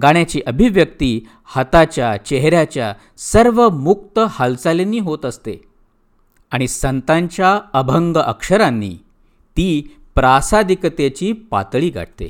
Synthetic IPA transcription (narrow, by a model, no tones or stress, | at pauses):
ɡaɳ̃jat͡ɕiːʔəbʱiʋjək̚t̪iː | hət̪at͡ɕjat͡ɕɛɦɾjat͡ɕja | səɾʋəmuk̚t̪əhalsalenːiːɦot̪əst̪e | aɽ̃isənt̪ãɲt͡ɕjaəbʱəŋɡəʔəkʂəɾãnːḭː | t̪iː | pɾasad̪ʱikət̪et͡ɕiːpa̰t̪ɭiːɡʱa̰ʈ̚t̪ḛ